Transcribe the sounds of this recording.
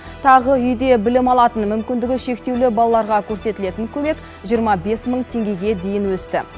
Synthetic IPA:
t̪ʰɑʁəʏjd̪e̞bɪlɪmɑlˠɑt̪ənmʏmkʲɪnd̪ɪɡʲɪʃe̞kt̪e̞wlɪbɑlˠɑlˠɑɾʁɑkʲʰɵɾse̞t̪ɪle̞t̪ɪŋkʲʰɵme̞k | ʒijəɾmɑbe̞sməɴt̪ʰe̞ŋɡʲe̞ɡʲe̞d̪ejɪnwɵst̪ɪ

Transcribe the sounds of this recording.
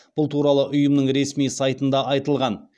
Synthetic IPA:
b̥ʊlˠt̪ʰuɾɑlˠəʔʊjəmnəɴɾe̞smijsɑjt̪ənd̪ɑɑjt̪əlˠʁɑn

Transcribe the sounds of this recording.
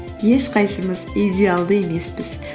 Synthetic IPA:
je̞ʃqɑjsəməzid̪ʲealˠd̪əe̞me̞spɪz̥

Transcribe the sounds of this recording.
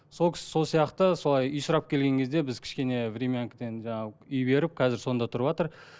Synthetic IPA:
so̞lˠkʲʰɪ̥sɪ̥so̞lˠsijɑqt̪əso̞lˠɑjʏjsʊɾɑp̚kʲʰelɡʲe̞ŋkʲʰe̞zd̪e̞bɪzkʲʰɪ̥ʃkʲe̞ne̞vɾʲemʲijaŋkd̪e̞nʒɑɴɑʏjbe̞ɾɪp̚qʰɑzɪɾso̞nd̪ɑt̪ʰʊɾəpɑt̪əɾ

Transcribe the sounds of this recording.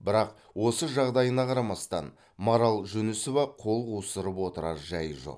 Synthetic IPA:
bɪɾɑq | wo̞səʒɑʁd̪ɑjənɑqʰɑɾɑmɑst̪ɑn | moɾɑlˠʒʏnɪsovɑqʰo̞lˠqusəɾəpwo̞t̪əɾɑ̰ɾʒæjʒo̞̰q

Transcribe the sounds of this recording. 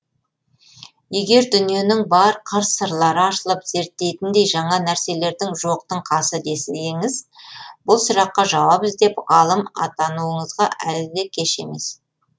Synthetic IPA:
je̞ɡʲe̞ɾd̪ʏnije̞nɪŋbɑɾqʰəɾssəɾlˠɑɾəɑʃəlˠəpz̥e̞ɾt̪ːe̞jt̪ɪnd̪e̞jʒɑɴɑnæɾse̞le̞ɾd̪ɪŋʒo̞q̚t̪əɴqʰɑsəd̪e̞sɪlɡɪŋɪzbʊlˠsʊɾɑqːɑʒɑwɑbɪzd̪e̞pʁɑlˠəmɑ̰t̪ɑnuəɴəzʁɑʔælɪd̪e̞kʲʰe̞ʃe̞me̞s

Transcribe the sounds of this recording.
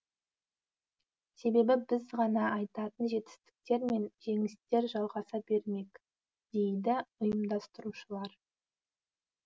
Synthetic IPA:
se̞be̞bɪbɪzʁɑnɑːjt̪ɑt̪ənʒe̞t̪ɪ̥st̪ɪ̥k̚t̪e̞ɾme̞nʒe̞ŋɪst̪e̞ɾʒɑlˠʁɑsɑbe̞ɾme̞k | d̪̥e̞jd̪ɪʊjəmd̪ɑst̪əɾuʃəlˠɑɾ

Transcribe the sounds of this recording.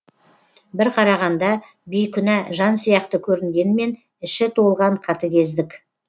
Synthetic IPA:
bɪɾqʰɑɾɑʁɑnd̪ɑ | bijkʲʰʏnæʒɑnsijɑqt̪əkʲʰɵɾɪnɡʲe̞nɪme̞n | ɪʃɪt̪ʰo̞lˠʁɑɴqʰɑt̪əkʲʰe̞zd̪ɪk

